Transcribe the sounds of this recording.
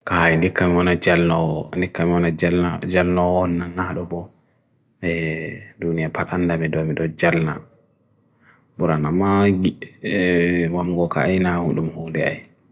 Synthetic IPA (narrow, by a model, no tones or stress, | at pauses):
kaindikːamiwɔnad͡ʒalnɔndikːamiɔnad͡ʒalad͡ʒalnɔwɔnːanahɗɔbɔ | ɛdunijapʰaɗandamɛdɔmiɗɔd͡ʒalna̰ | buɾanamaɡi | wamɡɔka̰ːjnahuɗumhoːdɛa̰j